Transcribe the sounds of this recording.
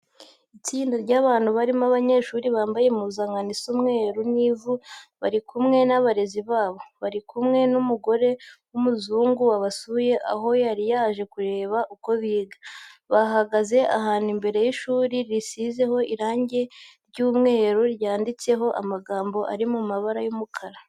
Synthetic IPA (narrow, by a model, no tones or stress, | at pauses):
it͡siːndaɾɟaːβaːnhuβaɾimaβaɲe̞ʃuɾiβaːmbaje̞muzaŋɡanisumŋe̞ːɾuniːvuβaɾikumŋe̞naβaɾe̞ziβaːβo̞βaɾikumŋe̞numuɡo̞ɾe̞ | umuzuːŋɡuwaβasuje̞ʔa̰ɦo̞jaɾijaːʒe̞kuɾe̞ːβaʔuko̞βiːɡaβaɦaɡaze̞ʔa̰ɦaːn̥imbe̞ɾe̞jiʃuːɾiɾisize̞ɦo̞ʔiɾaːɲɟe̞ɾɟuːmŋe̞ːɾuɾjaːndit͡se̞ɦo̞ʔa̰maɡaːmbo̞ʔa̰ɾimumaβaɾajumukʰaɾa